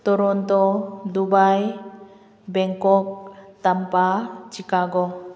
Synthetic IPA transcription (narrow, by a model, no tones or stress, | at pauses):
t̪ɔɾɔnt̪ɔd̪ubaj | bɛŋkɔk̚t̪ampat͡ʃikaɡɔ